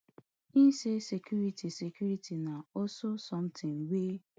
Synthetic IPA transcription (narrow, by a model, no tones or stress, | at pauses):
isesekjuɾitisekjuɾitʰinaososɔm̩tʰɪ̃ŋwe